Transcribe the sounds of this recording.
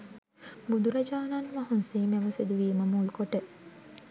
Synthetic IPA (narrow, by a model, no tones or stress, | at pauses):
bud̪uɾɐd͡ʒaːnanmɐɦunsiːmeʋɐsed̪uʋiːmɐmuːlkoʈe